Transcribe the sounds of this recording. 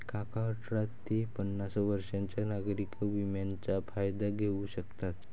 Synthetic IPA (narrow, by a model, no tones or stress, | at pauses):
kakaəʈɾat̪ːipənːasʋəɾʂãɲt͡ɕjanaɡɾikəʋimjant͡ɕafʰajd̪aɡʱeuɕəkt̪at̪